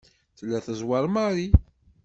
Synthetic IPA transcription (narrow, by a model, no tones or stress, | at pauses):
θlːæθəzwɑɾˤmaɾi